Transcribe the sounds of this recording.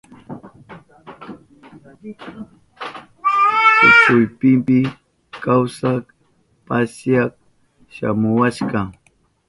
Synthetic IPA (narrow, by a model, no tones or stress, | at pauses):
t̪ʊkʊjpɪmpɪ | kawsak | pasjak | ʃa̰mʊwaʃkaŋ